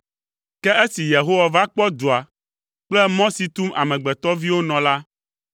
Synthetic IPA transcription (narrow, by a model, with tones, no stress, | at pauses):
kɛ˦ʔe˦si˨je˨ɦo˦wa˨va˦k͡pɔ˦d̪o˨a˨ | k͡plɛ˦mɔ̃˦si˨t̪u˦ma̰˨mɛ̃˨ɡ͡bɛ˨t̪ɔ˦vi˦wo˦nɔ̃˨la˦